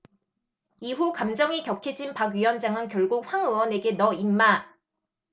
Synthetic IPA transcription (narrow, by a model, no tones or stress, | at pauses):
iɦukamd͡ʑʌŋikjʌkʰed͡ʑinpaɡɥiwʌnd͡ʑaŋɯnkjʌɭɡuk̚ɸwaŋɯwʌne̞ɡe̞nʌimːa